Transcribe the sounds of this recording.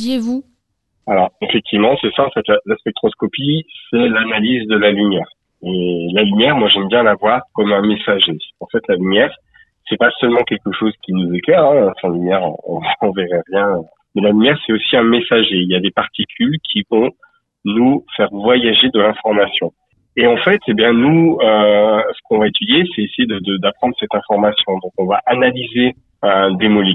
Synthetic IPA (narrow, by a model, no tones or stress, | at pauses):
jevu | alɔʁefɛk̚t̪ʰivmɑ̃sɛsaɑ̃fɛt̪lalaspɛk̚t̪χɔskɔpisɛlanalizd̪əlalymjɛːʁ | elalymjɛʁmwaʒɛmbjɛ̃lavwaʁkɔmɛ̃mesaʒeɑ̃fɛt̪lalymjɛʁ | sɛpasœlmɑ̃kʲɛlkəʃozkʲinuzekʲɛʁɛ̃sɛ̃lymjɛʁɔ̰̃ɔ̰̃veʁɛʁjɛ̃ø | mɛlalymjɛʁsɛt̪osiɛ̃mesaʒeiljad̪epaʁt̪ikʲʰylkʲʰivɔ̃ | nufɛʁvwajaʒed̪əlɛ̃fɔʁmasjɔ̃ | eɑ̃fɛt̪ʰebjɛ̃nuøsə̥kɔ̃vaet̪yd̪jesɛesejed̪əd̪əd̪apχɑ̃d̪ʁəsɛt̪ɛ̃fɔʁmasjɔ̃d̪ɔ̃kɔ̃vaʔanalize | ød̪emɔli